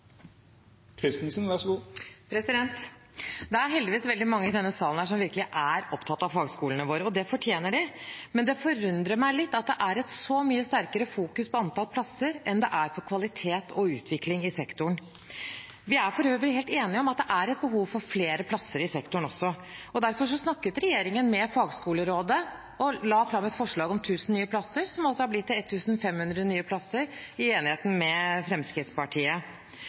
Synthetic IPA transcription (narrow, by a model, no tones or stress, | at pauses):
kʰɾɪst̪nsənʋæʂɡuːpʰɾɛsɪd̪ɛnt̪ | d̪ɛæɾɦɛld̪ɪʋiːsʋɛld̪ɪmɑŋːəɪd̪ɛnːəsɑːln̩d̪æːʂ̬ɔmʋɪɾkəlɪʔæɾɔpt̪ʰɑt̪ːɑʋfɑːɡskuːlnəʋoːɾəɔd̪ɛfɔʈʰjeːnəɖɪmɛnd̪ɛfɔɾʉnd̪ɾəɾmæɪlɪt̪ːɑt̪̚d̪ɛʔæɾɛt̪sɔmyːəst̪æɾkəɾəfuːkʉspʰɔɑnt̪ɑlpʰlɑsːəɾʔɛnd̪ɛʔæɾpʰɔkʰʋɑlɪt̪ʰeːt̪ʰɔʉːt̪ʰʋɪklɪŋɪsɛkt̪ʊɳ | ʋɪæɾfɔɾhøːʋəlheːlt̪eːnɪɔmɑt̪̚d̪ɛʔæɾɛt̪̚bəɦuːʋfɔɾfleːɾəpʰlɑsːəɾɪsɛkt̪ʊɳɔsːɔɔd̪æɾfɔʂ̬ɔsnɑkːət̪ɾɛjeːɾɪŋənmɛfɑːɡskuːləɾoːd̪ə | ɔlɑːfɾɑmɛt̪fɔʂɭɑːɡɔmt̪ʰʉːsn̩nyːəpʰlɑsːəɾsɔmɑlsɔhɑɾblɪt̪ːɪlɛt̪ʰːʉːsnfɛmhʉnd̪ɾənyːəpʰlɑsəɾɪeːnɪheːt̪n̩mɛfɾɛmskɾɪt̪spɑʈʰiːə